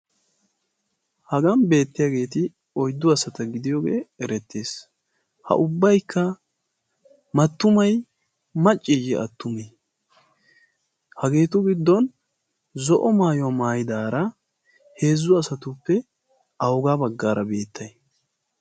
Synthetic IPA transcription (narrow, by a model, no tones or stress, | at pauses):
hɐɡɐnbe̞ːt̪ːɪjaːɡe̞ːt̪ɪ | ɔjd̪ːʊɐsɐt̪ɐɡɪd̪ɪjɔɡeːɛɾɛt̪ːeːs | hɐ̰ʔʊbːɐjkʰːɐ | mɐt̪ːʊmɐj | mɐt͡ʃʼːiɡɛɐ̰t̪ːʊmi | hɐɡe̞ːt̪ʊɡɪd̪ːɔn | zɔʔɔmaːjɔwɐmaːjɪd̪aːɾɐ | he̞ːzːʊɐsɐt̪ʊpːɛ | ʔɐwʊɡaːbɐɡːaːɾɐbe̞ːt̪ʰːɐj